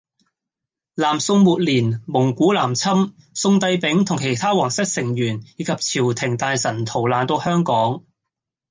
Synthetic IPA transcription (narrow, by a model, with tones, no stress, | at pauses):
laː˨˩msʊ˧ŋmuː˨t̚liː˨˩nmʊ˨˩ŋkuː˨˥laː˨˩mt͡sʰɐ˥m | sʊ˧ŋt̪ɐ˧jpɪ˨˥ŋt̪ʰʊ˨˩ŋkʰe˨˩jt̪ʰaː˥wɔː˨˩ŋsɐ˥k̚sɪ˨˩ŋjyː˨˩njiː˨˧˥kʰɐ˨p̚t͡sʰiː˨˩wt̪ʰɪ˨˩ŋt̪aː˧jsɐ˨˩nt̪ʰo˨˩wlaː˨˧nt̪o˧whœː˥ŋkɔː˨˥ŋ